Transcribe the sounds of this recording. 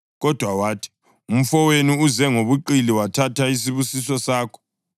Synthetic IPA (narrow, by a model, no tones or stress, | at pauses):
ɣɔd̥ʱwawaːtʰi̥ | um̩fɔweniuzɛŋoβuǃiliwatʰatʰais̬iβusisɔsaːkʰɔ̥